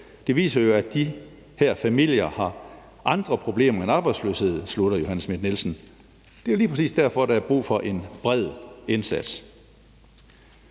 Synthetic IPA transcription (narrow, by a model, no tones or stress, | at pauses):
d̥e̝ʋḭːsɐjo̝æd̥i | hæɐ̰fæmil̰jɐhɑ̈ | ʔɑ̈nd̥ʁɐpʰʁo̝b̥le̝̰ːmɐenɑ̈ːb̥ɑ̈ɪdslø̰ːshe̝ð̞̰ˠsluɾ̥ɐjo̝hænəsmed̥nelsn̩ | d̥e̝joliːpʰʁɐsḭːsd̥æɐ̰fɒ̽ɾ̥ɑæɐb̥ʁṵːfɒ̽ʔe̝nb̥ʁɛð̰ˠensæd̥s